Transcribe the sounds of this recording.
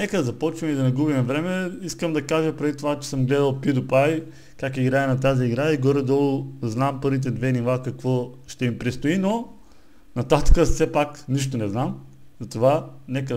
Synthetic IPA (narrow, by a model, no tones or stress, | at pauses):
nɛkəd̪ɐzɐpɔt͡ʃvimid̪ɐnɐɡubimɛvɾɛmɛiskəmd̪ɐkaʒəpɾɛd̪it̪ovat͡ʃɛ̥səmɡlɛd̪əlˠpid̪ʊpaj | kakiɡɾaɛnɐt̪̬aziːɡɾaiɡɔɾɛd̪ɔlˠʊznampɤɾvit̪̬ɛd̪vɛnivˠakɐkvɔʃt̪ɛimpɾist̪oino | nɐt̪at̪ə̥kəsɛpakniʃ̬t̪onɛznam | zɐt̪ovanɛkə